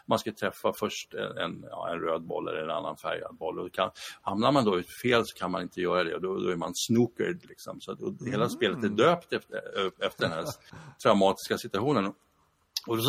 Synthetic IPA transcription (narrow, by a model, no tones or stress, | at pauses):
manskat̪ʰɾɛfːafœʂʈɛ̰ɛ̰njɑ̰ːɛnɾøːd̪̚bɔ̰lːɛ̰lːəɾɛna̰nːa̰nfæ̰ɾja̰d̪̚bɔlːɔd̪ɔkʰanhamnaɾmand̪ɔʉːfeːlsɔ̥kʰanmanɪnt̪əjœːɾad̪ɛ̰ɔd̪ɔd̪ɔ̰æɾmansnuːkə̰ɖlɪksɔ̰msat̪ɔheːlaspeːlət̪æɖ̪øːpt̪ɛɛft̪əɖɛnɦæːt̪ʰɾaʊmɑːt̪ɪ̥skasɪt̪ɵaɧuːnənɔ | ɔd̪ɔ